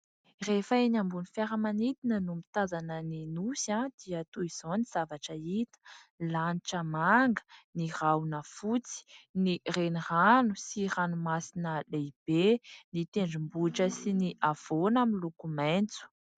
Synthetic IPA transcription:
refaenambunifjaɾəmanit̪inənumit̪azanəninusãd̪̥iət̪uiz̥oniz̥avaʈ͡ʂəit̪ə̥laniʈ͡ʂəmaŋɡə̥nirawnəfut͡si̥nireniranusiranumasinəleib̥enit̪eɳɖ͡ʐimbuʈ͡ʂəsiniʔav̥onaminlukument͡su̥

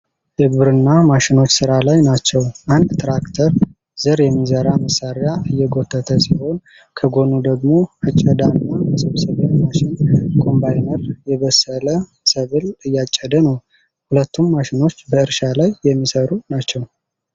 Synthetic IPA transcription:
jɛɡβɨɾɨnːamaʃɪno̞t͡ʃːsɨɾalajnat͡ʃːɛwʔand̪t̪ʰɾakt̪ʰəɾ | z̥ɨɾjɛmːizəɾaməsːaɾjaʔɨjːɛɡo̞t̪ʰːət̪ʰəsiho̞n | kʰəɡo̞nud̪əɡmo̞at͡ʃʼːəd̪anːabəsəβsəβjamaʃɪnkʰo̞mbajnəɾjɛβəsːələ | səβɨlɨjːat͡ʃʼːəd̪ənəw | hulət̪ʰːumːaʃɪno̞t͡ʃːbəɨɾʃalajːɛmːisəɾunat͡ʃːɛw

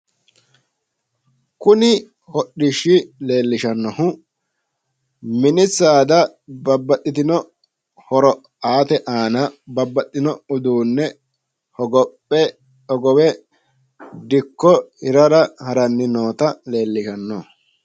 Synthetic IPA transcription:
kʊnɪ | hɔɗːɪʃːɪle̞ːlːɪʃɐnːɔhʊ | mɪnɪt͡sːaːd̪ɐbɐbːɐt̪ʼːɪt̪ɪnɔ | hɔɾɔ | aːt̪ɛʔaːnɐbɐbːɐt̪ʼːɪnɔʊd̪uːnːɛ | hɔɡɔpːɛ | ɔɡɔwɛ | d̪ɪkːɔhɪɾɐɾɐhɐɾɐnːɪno̞ːt̪ɐle̞ːlːɪʃɐnːɔ

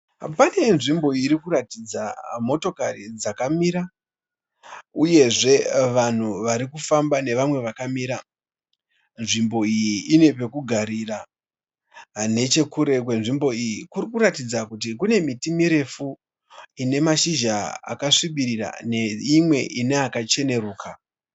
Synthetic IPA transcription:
pane̞nʐimbo̞iɾikuɾatid͡zamo̞to̞karid͡zakamiɾa | uje̞ʐe̞ʋan̤uʋaɾikufambane̞ʋamwe̞ʋakamiːɾa | nʐimbo̞ijiine̞pe̞kuɡʱaɾiːra | ne̞t͡ʃe̞kuɾe̞kwenʐimbo̞ijikurikuɾatid͡zakutikune̞mitimiɾe̞fu | ine̞maʃiʒaa̰kaʂiɓiɾira̰neimwe̞ʔineakat͡ʃe̞ne̞ruːka

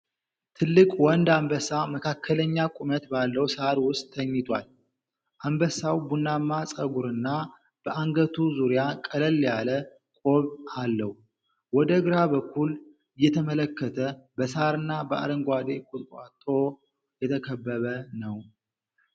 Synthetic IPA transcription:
t̪ʰɨlːɨkʼwɔnd̪ambəsaməkʰakːələɲːakʼumət̪balːəwsaɾwʊst̪ʼːʰəɲːit̪ʰwal | ʔambəsawbunːamːasʼəɡuɾɨnːa | b̥əʔaŋɡət̪ʰuzuɾijakʼələlːjalə | kʷʼo̞βalːəh | wɔd̪əɡɨɾabəkʰːul | jɛt̪ʰəmələkːət̪ʰəbəsaɾɨnːabəʔa̰ɾəŋɡʷad̪ekʼut̪ʼkʼat̪ʼːo̞ | jɛt̪ʰəkʰəbːəβənəw

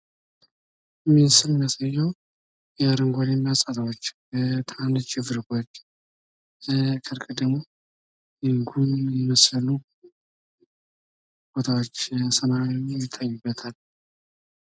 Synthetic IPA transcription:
ɨmːisɨlmɪməsajːɛw | jɛɾɨŋɡʷolɛmjasʼat̪awot͡ʃːbət̪ʰant͡ʃɪvɨɾkot͡ʃː | əkʰʼɨɾkʼɨd̪əɡmo̞ | ɨŋɡunjɛməsləlu | b̥ot̪ʰawot͡ʃːsəmaɾmɛjɪt̪ʰːajːubːət̪ʰal

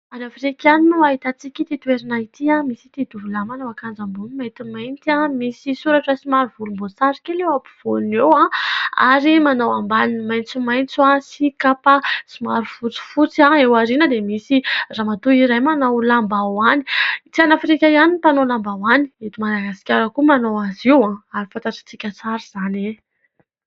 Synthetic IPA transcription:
anafɾikʲaninuaɦit̪at͡sikʲit̪it̪weɾinait̪iamisi̥t̪id̪uvulamanawakand͡zambunmajt̪imajnt̪iãmisisuɾaʈ͡ʂəsimaɾvulumbosaɾikʲelewapu̥v̥onewãa̰ɾimanawambaninimajnt͡sumajnt͡suasikapasimaɾufut͡si̥fut͡siãewaɾinəd̪emisiramat̪uiɾajmanawlambawani̥t͡sianafɾikʲajanip̪anolambawaniet̪umaɾaɡasi̥kʲaɾakumanowaziwãaɾifãnt̪aʈ͡ʂḁt͡sikʲət͡saɾiz̥ane

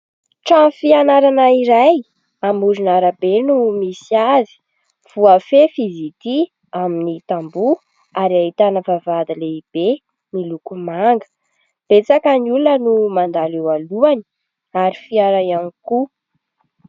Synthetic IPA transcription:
ʈ͡ʂafianaɾanaiɾaj | amuɾinaɾabenumisiazi̥ | v̥uafefizit̪i | aminit̪ambu | aɾiaɦit̪anəvavad̪ileib̥e | milukumaŋɡə̥ | b̥et͡sakaniulnənumand̪alewaluani̥ | aɾifiaɾajaniku

